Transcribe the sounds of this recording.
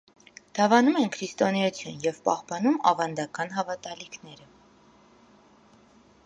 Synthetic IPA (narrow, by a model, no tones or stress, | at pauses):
d̪̥ɑvɑnumɛnkʰɾist̪ɔnɛut͡sʰjunjɛvpɑ̰hpɑnumɑvɑnd̪ɑkɑn̪ɦɑvɑt̪ɑlikʰn̪ɛɾə